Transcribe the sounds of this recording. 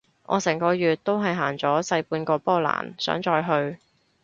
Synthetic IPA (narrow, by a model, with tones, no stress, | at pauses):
ʔɔ̰ː˨˧sɛː˨˩ŋkɔː˧jyː˨t̚t̪o˥wɦɐ˨jɦaː˨˩ŋt͡sɔː˨˥sɐ˧jpuː˧nkɔː˧pɔː˥˩la̰ː˨˩nsœ̰ː˨˥ŋt͡ʃɔː˧jɦɵ˧ɥ